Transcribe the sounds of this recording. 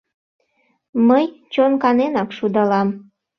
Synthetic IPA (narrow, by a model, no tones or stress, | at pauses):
məjt͡ɕonkɑnenɑkʃud̪ɑlɑm